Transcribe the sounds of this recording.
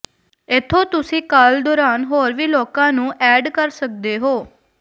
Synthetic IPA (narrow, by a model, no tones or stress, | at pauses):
ɪt̪ʰːoːt̪ʊsĩːkald̪oːɾaːnɦoːɾʋiːloːkãːnũːʔɛːɖkəɾsək̚d̪eːɦoː